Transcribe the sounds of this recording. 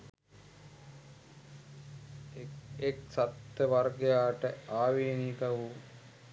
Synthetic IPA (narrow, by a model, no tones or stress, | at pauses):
eksat̪ːəʋarɡejaːʈəaːʋinikɐʋu